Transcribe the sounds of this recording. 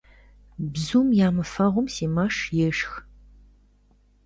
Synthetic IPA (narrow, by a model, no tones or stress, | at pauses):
bzuːmjaːmɨfɐʁʷʊmsiːmɐʂjɛʂx